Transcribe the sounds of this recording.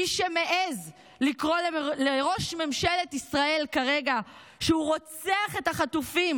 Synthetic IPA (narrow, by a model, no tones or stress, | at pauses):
iʃemeʔez | likʁo̞leleʁo̞ʃme̞mʃe̞letisʁae̞lkaʁe̞ɡa | ʃeuʁo̞t͡seaχe̞thaχatufim